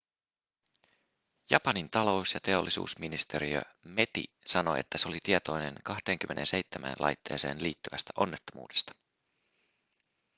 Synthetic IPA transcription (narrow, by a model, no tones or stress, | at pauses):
jɑpɑnint̪ɑlo̞wsjɑt̪e̞o̞lːisṵːsminist̪e̞ɾiø̰me̞t̪ḭ | sɑno̞̰ḛt̪ːæseolit̪iet̪o̞jne̞̰nkɑht̪e̞ːŋk̟ymʔe̞nʔe̞nse̞jt̪ːemʔæ̰nlɑ̰jt̪ːe̞ːse̞ːnliːt̪ːyʋæst̪æʔo̞nːe̞t̪ːomṵːdest̪ɑ̥